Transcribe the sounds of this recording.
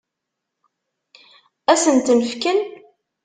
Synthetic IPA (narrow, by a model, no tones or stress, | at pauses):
æsənt̪məfkən